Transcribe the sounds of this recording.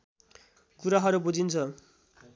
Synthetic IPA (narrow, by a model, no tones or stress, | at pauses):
kuɾaɦʌɾubud͡zʱint͡sʰʌ